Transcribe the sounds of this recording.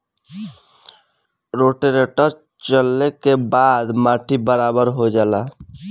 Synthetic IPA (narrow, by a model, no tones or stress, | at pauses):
ɾoːʈeɾeʈəɾ | t͡ʃəlːekebaːd̪maːʈʰibəɾaːbəɾɦod͡ʒaːlaː